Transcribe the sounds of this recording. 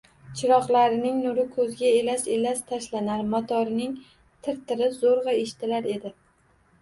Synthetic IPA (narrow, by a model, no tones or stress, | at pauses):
t͡ʃʰɪɾɒqlˠaɾɪnɪŋnʊɾɪkʰɵzɡʲaelaʃelast̪ʰaʃlanaɾmɒt̪ʰɒɾɪnɪŋ | t̪ʰɪɾt̪ʰɪɾɪzoɾʁɑeʃt̪ʰɪlaɾe̞d̪ɪ